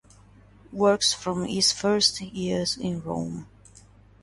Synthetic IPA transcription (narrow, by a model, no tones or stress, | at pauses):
wɜ˞ksfɹɔ̃mɪz̥fɜ˞stjiɹzɪ̰̃nɹõ̰ʊ̃m